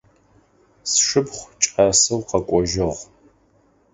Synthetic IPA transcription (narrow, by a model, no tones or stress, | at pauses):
sʂɨpχʷt͡ʃʼaːsɨwqɐkʷʼɔʒɪʁʷ